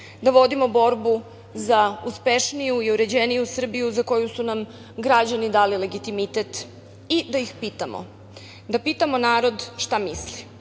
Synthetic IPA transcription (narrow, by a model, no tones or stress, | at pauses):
d̪aʋo̞d̪imo̞bo̞ɾbu | zauspe̞ʃnijuiuɾe̞d͡ʑenijusr̩bijuzako̞jusunam | ɡɾad͡ʑanid̪aːlile̞ɡit̪imit̪et̪ | id̪ajixpiːt̪amo̰ | d̪apit̪amonaːɾo̞d̪ʃt̪amisli